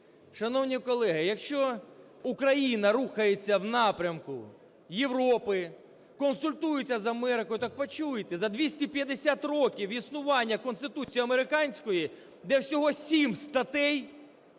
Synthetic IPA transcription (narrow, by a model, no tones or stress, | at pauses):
ʃɐnɔwnʲikɔlˠɛɦɪjɐkʃt͡ʃɔ | ukɾɐjinɐɾuxɐjet͡sʲːɐwnɑpɾʲɐmkʊ̰ | jewɾɔpɪ | kɔnsʊlʲt̪ujʊt͡sʲːɐzɐmɛɾɪkɔjʊt̪ɑk̚pɐt͡ʃujt̪ɛzɐd̪ʲʋʲisʲtʲipʲjɐd̪esʲat̪rɔkʲiwisnʊʋɑnʲːɐkɔnst̪ɪt̪ut͡sʲijiɐmeɾɪkɑnʲsʲkɔji | d̪ɛwsʲɔɦɔsʲimst̪ɐt̪ɛj